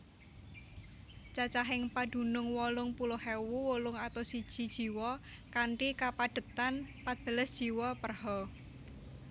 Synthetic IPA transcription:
t͡ʃat͡ʃaɦɪŋpaɖ̥ṳnʊŋwɔlʊŋpulʊhewuwɔlʊŋat̪osid̥ʒ̥i̤d̥ʒ̥i̤wɔ | kaɳʈikapaɖ̥ə̤t̪anpat̪̚b̥ə̤ləsd̥ʒ̥i̤wɔpərhɔ

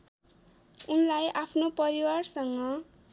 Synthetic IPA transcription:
unlajʔapʰnopʌɾiwarsʌŋʌ

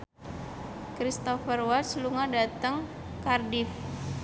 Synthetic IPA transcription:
kɾist̪ɔfərwasluŋadat̪əŋ | kardif

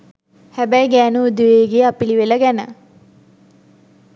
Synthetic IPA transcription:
hæbæjɡæːnuːd̪uʋeːɡeːapiliʋeləɡænə̰

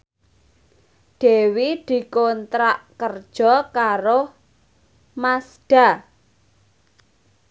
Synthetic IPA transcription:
ɖ̪̥e̤wid̪̥i̤kɔnt̪ɾaʔkərd̥ʒ̥ɔ̤kaɾo | masɖ̥a̤

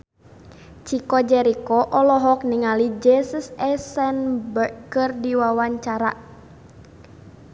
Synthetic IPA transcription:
t͡ʃikɔd͡ʒɛɾikɔʔɔlɔɦɔk̚niŋalid͡ʒɛsəsɛsɛnbəkɨrdiwawaɲt͡ʃaɾa

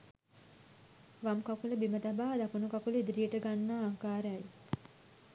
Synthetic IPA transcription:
ʋamkakuləbimət̪abaːd̪ɐkunukakuləid̪iɾijeʈəɡanːaːaŋkaːɾeaj

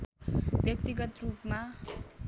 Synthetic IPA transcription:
bjʌkt̪iɡʌt̪rupma

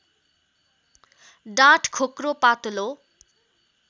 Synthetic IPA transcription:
ɖaʈkʰokropat̪olo

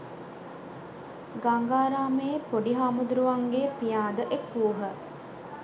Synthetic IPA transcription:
ɡaŋɡaːɾaːməjepoɖiɦamud̪ɾuʋaŋɡepijaːd̪əʔekːuːɦə

